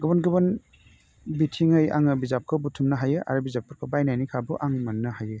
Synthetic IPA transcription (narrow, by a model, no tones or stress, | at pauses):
ɡɯbɔnɡɯbɔn | bitʰiŋɯja̰ŋɯbizap̚kʰɯbutʰumnɐɦajɯʔa̰ɾɯbizap̚kʰɯɾkʰɯbajnajnikʰabuʔaŋmanːɐhajɯ